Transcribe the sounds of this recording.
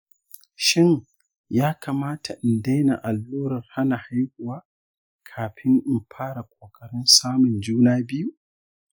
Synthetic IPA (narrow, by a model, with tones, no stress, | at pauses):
ʃɪ˦˨ŋ | jaː˦kʰaː˨maː˦tʰa˨ʔɪ˨nda˦jna̰˨ʔa˨lːuː˦ɾɐ˨rha˦na˨ha˦jkʷʊ˨waː˦ | kʰaː˨ɸʰɪ˦ŋʔɪ˨mpʰaː˦ɽa˨kʷʰʼoː˨kʼɐ˨ɽɪ˦nsaː˦mʊ˨nd͡ʒuː˦naː˦bɪ˦ju˦